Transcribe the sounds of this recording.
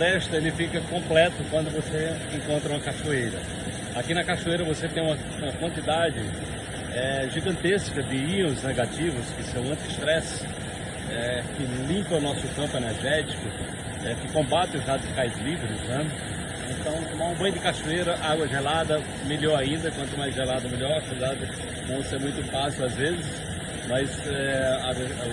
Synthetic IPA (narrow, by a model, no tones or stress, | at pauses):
ɾɛʃt̪ɐelɪfikɐkõmplɛt̪ʊkwɐ̃nd̪ʊvose | ẽkõnt̪ɾɐũɐkaʃuejɾɐ | akinɐkaʃuejɾɐvoset̪ẽj̃ũmɐ | ũmɐkwɐ̃nt̪id̪ad͡ʒɪ | ɛʒiɡɐ̃nt̪eskɐd͡ʒɪĩõzneɡat͡ʃivʊskɪsɐ̃w̃ɐ̃nt̪ɪst̪ɾɛs | ɛkɪlĩmpɐ̃ʊnɔsʊkɐ̃mpʊeneɾʒɛt͡ʃi̥kʊ | ɛkɪkõmbat̪ẽʊzad̪ʊzkajzlivɾɪznɛ | ẽt̪ɐ̃w̃õmaũbɐ̃j̃d̪ɪkaʃueɾɐʔaɡwɐʒelad̪ɐ | meʎɔɾaĩnd̪ɐkwɐ̃nt̪ʊmajzʒelad̪ɐmeʎɔɾɐfeɾd̪ad̪ɪ | nɐ̃w̃semũj̃t̪ʊfasiwazvezɪs | mɐzɛaɡɐ